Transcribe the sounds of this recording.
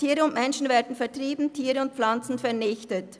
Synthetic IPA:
tʰiːʁəʊntmɛnʃn̩veːɐdn̩fɛɐtʁ̥iːbn̩tʰiːʁəʊnt̚p͡flant͡sn̩fɛɐnɪçtət

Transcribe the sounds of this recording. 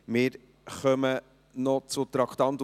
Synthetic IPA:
mɪːɾ | χœmə | nɔt͡sʊt̪ɾɑkʰt̪ɑnt̪

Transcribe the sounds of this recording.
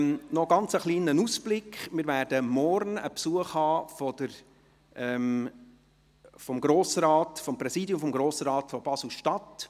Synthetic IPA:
nɔɡɑnt͡səχliːnənusb̥lɪkχmɪːɾvæːɾdəmɔɾnə̰psuəχhɑːfɔd̪əɾ | ɛm | fɔmɡɾoːsɾɑːtfɔmpɾɛsiːdjʊmfɔmɡɾoːsɾɑːtfɔb̥ɑsl̩ʃtɑt

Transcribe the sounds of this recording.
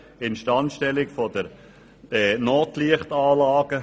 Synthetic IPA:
ɪnʃtɑntʃtɛlɪkfɔdəɾ | ɛnoːtliəχtɑːlɑːɡ̥ə

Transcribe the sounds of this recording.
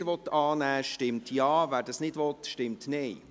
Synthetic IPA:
ɾʋɔt̪ːɑːnæːʃtɪmtjɑːvæːɾdɑsnɪdʋɔt̪ʃtɪmtneɪ

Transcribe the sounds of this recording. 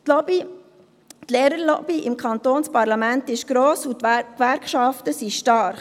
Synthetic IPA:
bi | tleːɾəɾlɔ̰b̥iʔɪmkʰɑntoːnspɑɾlɑmæntɪʃɡ̥ɾoːsukʋæɾkʃɑftəsiʃtɑɾχ

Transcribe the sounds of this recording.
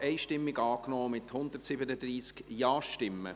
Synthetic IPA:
ʔɛɪʃtɪmːɪɡɑːknɔːmɪt̪hʊnd̪ətsɪbənəd̪ɾiːskjɑːʃtɪmːə̰

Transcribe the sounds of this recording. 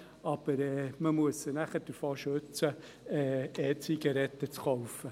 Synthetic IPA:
ɑb̥əɾɛːməmuəsənæχəɾd̥əɾfoːʃøt͡sə | ɛːɛːt͡siɡɐɾɛt̪ət͡skɔʊfə

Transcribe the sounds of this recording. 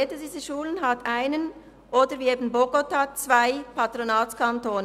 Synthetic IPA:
eːdədiːzəʃuːlənɦatʰʔaɪnən | ʔoːdəviːeːbn̩boɡotat͡sv̥aɪpʰatʁonɑːtkʰantoːnə

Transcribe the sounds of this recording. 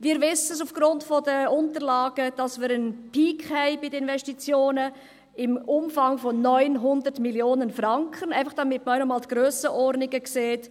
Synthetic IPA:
viːɾvɪsəsufɡ̥ɾʊntfɔdəʊntəɾlaːɡ̥əd̥ɑsməːɾənpʰiːkhɛɪbidəɪnvɛstit͡sjoːnə | ɪmʔʊmfɑŋfɔnœʏnɦʊndəɾtmiljoːnənfɾɑŋkʰənæɪfɑχd̥ɑmɪtməœnɔmɑːltɡ̥ɾøːsəʔɔɾdnɪɡəkseːt

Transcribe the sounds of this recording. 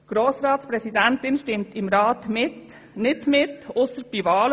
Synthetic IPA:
ɡ̥ɾoːsɾɑːt̪spɾɛsɪd̪ɛnt̪ɪnʃtɪmt̪ɪmɾɑːt̪mɪt̪ | nɪt̪mɪt̪ʊsəb̥iːʋɑːl

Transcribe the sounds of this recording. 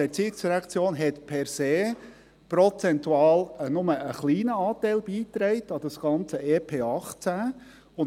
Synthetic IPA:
ɛɾt͡siːɪksɾakt͡sjoːnɦɛtpʰɛɾseː | pɾɔt͡sɛntuɑːlənʊməəχliːnəɑːtæɪlb̥iːt̪ɾɛɪtɑd̥ɑsɡ̥ɑnt͡səeːpʰeːɑχt͡sæː | ʊn

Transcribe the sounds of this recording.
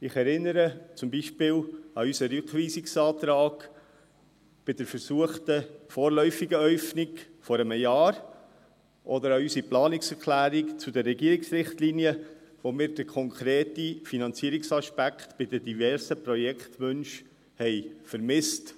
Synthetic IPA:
ɪχɛɾɪnːəɾət͡sʊmbiʃpɪːlɑysəɾʏkʋiːsiksɑːt̪ɾɑːɡ̥ | b̥ɪdəɾfəɾsuəχt̪əfɔːɾlœʏfiɡəœʏfnikfɔɾəməjɑːɾ | ʔɔdəɾɑysiplɑːnɪksɛɾkʰlæːɾikt͡sudɛrːɛɡiːəɾɪksɾɪχtliniəʋomɪːɾd̥əɾkʰɔŋkʰɾeːtifinɑnt͡siəɾiksɑʃpækχt̪b̥ɪdədivɛɾsəpɾɔjɛkχtʋɵnʃ | hɛɪfəɾmɪst

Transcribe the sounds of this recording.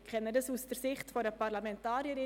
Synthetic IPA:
kʰɛnːədɑsusd̥əɾsɪχtfoɾdəpʰɑɾlamɛntɑːɾjəɾɪ

